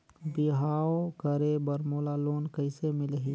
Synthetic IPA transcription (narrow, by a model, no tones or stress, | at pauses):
bɪɦaːokəɾebəɾmoːlaloːnkəɪsemɪlɦiː